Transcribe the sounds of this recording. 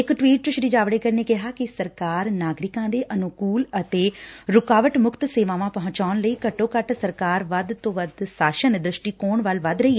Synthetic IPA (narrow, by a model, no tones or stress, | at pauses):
ɪkʈʋiːʈ̚t̪ʊʃɾiːd͡ʒaːʋɽeːkəɾneːkɪɦaːkɪsəɾkaːɾnaːɡɾɪkãːd̪eːʔənʊkuːlət̪eːɾʊkaːʋəʈmʊkt̪seːʋãːʋãːpəɦʊ̃ɲt͡ʃaːnləiːkəʈːõːkəʈsəɾkaːɾʋəd̪t̪õːʋəd̪saːʃənd̪ɾɪʃʈiːkoːɳʋəlʋəd̪ɾəiː